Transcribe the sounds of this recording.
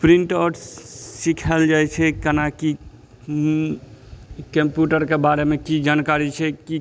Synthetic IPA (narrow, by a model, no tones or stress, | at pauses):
pɾiɳʈɔʈsikʰəld͡ʒajt͡ʃʰɛkənaki | kəmpjuʈəɾkebaɾemekid͡ʒankaɾit͡ʃʰɛki